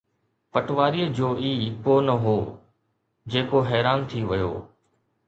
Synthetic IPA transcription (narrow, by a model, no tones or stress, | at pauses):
pɐʈʋaːɾiːəd͡ʑoːʔiːkoːnɐɦoː | d͡ʑeːkoɦɛːɾaːnt̪ʰiʋɐjo̰ː